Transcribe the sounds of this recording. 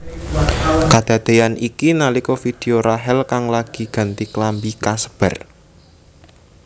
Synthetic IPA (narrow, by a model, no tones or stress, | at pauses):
kad̪̥a̤d̪̥e̤anikinalikɔfid̪̥e̤oɾaɦɛlkaŋlaɡ̥i̤ɡ̥a̤nt̪iklambikasə̥b̥ɛr